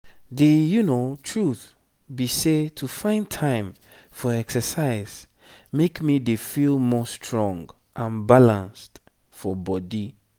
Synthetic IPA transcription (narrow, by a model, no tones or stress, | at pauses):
dejunotʰɹuθ | bisetʰufãɪ̃ntʰãɪ̃m | fɔɛksəsaɪz̥ | mekmidefilˠmɔstʰɹɔ̃ŋɡ | ʔãnbalãnst | fɔbɔdi